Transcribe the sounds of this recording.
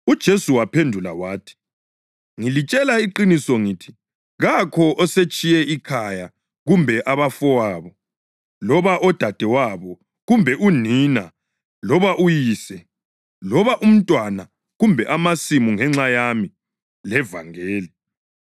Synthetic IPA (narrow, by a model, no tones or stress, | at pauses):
ud̥ʒ̥ʱesuwapʰendʱula̰waːtʰi̥ | ŋilit͡ʃʼɛlaiǃinisɔŋiːtʰi̥ | ɣakʰɔʔɔset͡ʃʼijɛikʰaja | ɣumbʱɛʔaβafɔwaːβɔ | lɔβaʔɔd̥ʱad̥ʱɛwaβɔ | ɣumbʱɛʔunina | lɔβaʔujiːsɛ | lɔβaʔum̩tʼwana | ɣumbʱɛʔamasimuŋɛŋ͡ǁajami | lɛva̰ŋeːli